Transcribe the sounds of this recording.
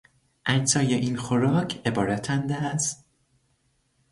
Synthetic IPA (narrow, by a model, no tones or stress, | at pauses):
ʔæɲsɒːjeʔiːnxoɾɒːcʰe̞bɒːɾæt̪ʰænd̪æst̪